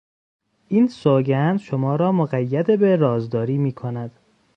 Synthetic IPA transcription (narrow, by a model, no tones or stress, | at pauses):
ʔiːnsoɡænd̪ʃomɒːɾɒːmoɣæjːæd̪ebeɾɒːzd̪ɒːɾiːmiːkʰonæd̪̥